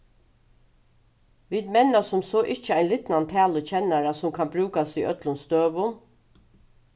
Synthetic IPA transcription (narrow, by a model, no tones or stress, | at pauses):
ʋiːd̪mɛnasʊmsɔʔɪht͡ʃəaɪnlɪt̪nant̪ʰæːlət͡ʃʰɛnaɾasʊmkʰanbɾʉːkasiʔœt̪lʊnst̪øːʋʊn